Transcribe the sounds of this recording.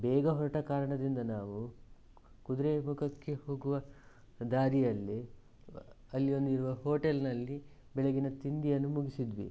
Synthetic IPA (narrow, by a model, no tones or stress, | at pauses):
bɛːɡɐɦɔɾɐʈɐkaːɾɐɳɐd̪ind̪ɐnaːʋu | kud̪ɾemukʰɐkːe̞ho̞ːɡuʋɐ | d̪aːɾijɐlːi | ɐlːijo̞nd̪iɾuʋɐɦo̞ːʈelnɐlːi | bɛɭeɡinɐt̪ind̪ijɐnːumuɡisid̪ʋḭ